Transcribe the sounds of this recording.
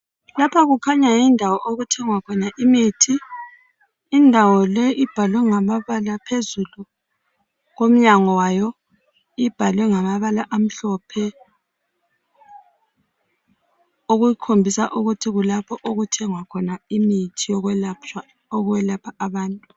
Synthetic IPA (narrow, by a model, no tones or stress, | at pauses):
lapʰaɣukʰaɲajindʱawɔʔoɣutʰɛŋwakʰɔnaʔimitʰi | ndʱawɔlɛʔib̥ʱalwɛŋamaβalapʰezulu | ɣom̩ɲaŋɔwajɔ | ib̥ʱalwɛŋamaβalaʔam̩ɬɔpʰɛ | oɣujikʰombʱisaʔuɣutʰiɣulapʰɔʔoɣutʰɛŋwakʰɔnaimitʰijɔɣwɛlat͡ʃa | ɔɣuwɛlapʰaaβaːntʼu